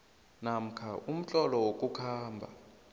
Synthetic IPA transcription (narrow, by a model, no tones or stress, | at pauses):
nam̩kʰaʔum̩t͡ɬʼɔlɔwokʼukʰaːmbʱa̰